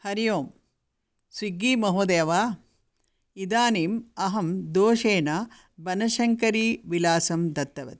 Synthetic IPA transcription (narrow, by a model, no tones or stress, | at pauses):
hɐɾijoːm | swiɡːiːmɐɦoːd̪ɐjɐʋaː | id̪aːniːmɐɦɐmd̪oːʂeːnɐ | bɐnɐʃɐŋkɐɾiːʋilaːsɐmd̪ɐt̪ːɐʋɐ̰t̪i̥